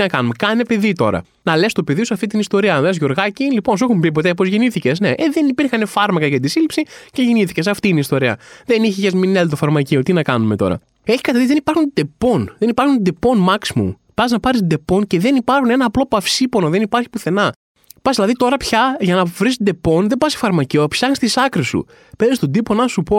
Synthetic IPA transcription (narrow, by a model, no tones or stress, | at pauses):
nɐkɐnume̞kɐnepe̞ðit̪o̞̰ɾɐ̰ | nɐle̞st̪ope̞ðiosɐft̪it̪inist̪o̞ɾiɐnɐlezʝo̞ɾɣɐcilipo̞nsuexumpip̬o̞t̪epozʝeniθice̞sneʔeðe̞nipiɾxɐnefɐɾmɐkɐʝɐt̪it̪isilipsiceʝeniθicesɐft̪iːnist̪o̞ɾiɐ̰ðe̞niçeʝɐzminelt̪ofɐɾmɐciot̪inɐkɐnume̞t̪o̞̰ɾɐ̰ | eçi̥kɐt̪eðizðenipɐɾxund̪e̞po̞nðe̞nipɐɾxund̪epo̞nmɐksimṵm | pɐznɐpɐɾisd̪e̞po̞nce̞ðe̞nipɐɾxune̞nɐːplo̞pɐfsipo̞no̞ðe̞nipɐɾçi̥puθe̞nɐ | pɐszðilɐðit̪o̞ɾɐpçɐʝɐnɐvɾist̪d̪e̞po̞nðe̞bɐsi̥fɐɾmɐciopsɐxnist̪isɐkɾisṵ | pe̞ɾist̪od̪iponɐsupo̞